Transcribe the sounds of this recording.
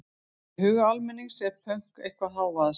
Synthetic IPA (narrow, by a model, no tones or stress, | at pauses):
hʏːɣalmɛnːiɣsɛɾ̥pʰœŋ̥kḛjhkvaɦaːwvaðs